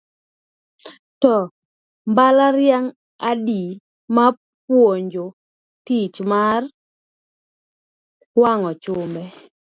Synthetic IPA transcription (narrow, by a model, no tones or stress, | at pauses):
tɔ | mbalaɾjaŋ | adi | ma | p̚woɲd͡ʒo | tit͡ʃmar | waŋɔt͡ʃʊmbɛ